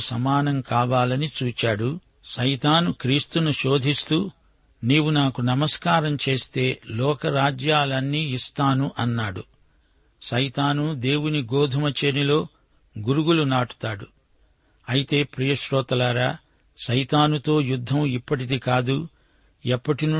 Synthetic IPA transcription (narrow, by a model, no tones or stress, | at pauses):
sɐmaːnɐmkaːʋaːlɐnit͡ʃuːt͡ʃaːɽu | ʃɐjt̪aːnukɾiːst̪unuʃo̞ːd̪ʱist̪uː | niːwunaːkunɐmɐskaːɾɐmt͡ʃe̞ːst̪e̞ːlɔːkɐɾaːd͡ʒjaːlɐnːiːist̪aːnuʔɐnːaːɽu | ʃɐjt̪aːnud̪e̞ːwuniɡɔːd̪ʱɐmɐt͡ʃenilo̞ː | ɡuɾuɡulunaːʈu̥t̪aːɽu | ɐjit̪e̞ːpɾijɐʃɾɔːt̪ɐlaːɾaː | ʃɐjt̪aːnut̪o̞ːjud̪ʱːɐmipːɐʈ̬id̪ikaːd̪u | ɛpːɐʈinu